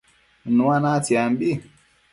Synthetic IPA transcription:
nuwanatiambi

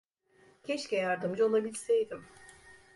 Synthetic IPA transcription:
cʲʰɛʃcɛjaɾd̪ɯmd͡ʒao̞lˠabilʲsejd̪im

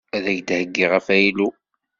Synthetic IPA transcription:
æðæʝd̪həɡːiʁəfæjilu

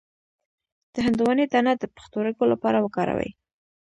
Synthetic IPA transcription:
d̪̥əɦand̪uwɑned̪anad̪əpḁxt̪oɾəɡolapɑɾawəkɑɾa̰wə̰j

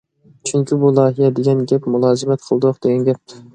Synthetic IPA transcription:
t͡ʃʰyŋkʲʰibulˠɑːɦijɛd̪eɡʲɛnɡʲɛpmulˠɑːzɪmɛt̪̚qʰəlˠd̪ʊqd̪eɡʲɛnɡʲɛp̚

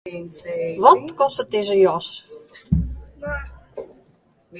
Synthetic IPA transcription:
ʋɔt̪kɔsət̪̚dezəjɔs

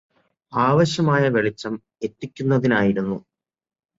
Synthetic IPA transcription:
aːʋɐɕjɐmaːjɐʋe̞ɭit͡ɕːɐm | e̞tːikʲːunːɐðinaːjiɾunːu

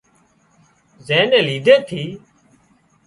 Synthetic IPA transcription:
zẽːnẽːliːɖ̪ʱeːt̪ʰiː

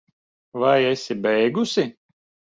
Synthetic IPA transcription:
vajesʲibɛjɡusʲi

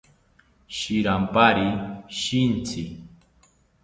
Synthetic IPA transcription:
ʃɪɾampaɾiʃɪnt͡sɪ

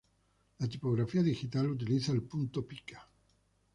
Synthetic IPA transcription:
lat̪ipo̞ɣɾafiaðixit̪alut̪̬iliθaelpunt̪opikḁ

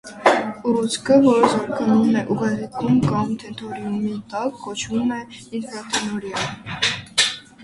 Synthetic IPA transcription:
uɾut͡sʰkʰəvɔɾəzɑɾkɑnumɛʔuɡɑzɛt̪ʰumkɑmt̪ʰɛnt̪ʰɔɾiumit̪ɑkːɔt͡ʃʰvumɛiɾplɑt̪ʰɛnɔɾjɑ

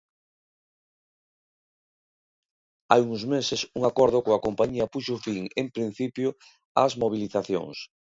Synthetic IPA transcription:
ajuŋzmesesuŋakɔɾð̞ʊkoakompaɲiɐpuʃofiŋempɾin̟θipjo | azmoβ̞iliθaθjo̰ŋs

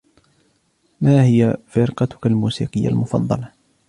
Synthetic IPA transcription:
maːhɪjafɪɾqɑt̪ʊ̥kalmuːsḭːqəjːa̰lmʊfɑ̰d̪ˤːɑlɑ

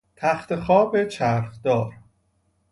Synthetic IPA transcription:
t̪ʰæxt̪ʰexɒːbe̞t͡ʃʰæɾχd̪ɒːɾ

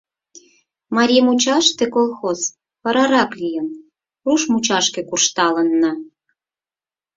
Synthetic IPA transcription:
mɑɾʲijmut͡ɕɑʃt̪ĕkolˠxoz | pɑɾɑɾɑklʲijən | ruʃmut͡ɕɑʃkĕkurʃt̪ɑlənːɑ

